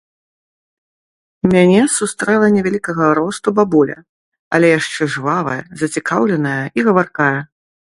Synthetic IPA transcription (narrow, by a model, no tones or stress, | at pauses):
mʲanʲɛsust̪ɾɛlˠɐnʲɛvʲalʲikɐɣɐɾɔst̪ubabulʲɐ̰ | a̰lʲɛjaʂt͡ʂɛʐvavɐ̰jɐ̰zɐt͡sʲikawlʲɛnɐjɐiɣɐvarkajɐ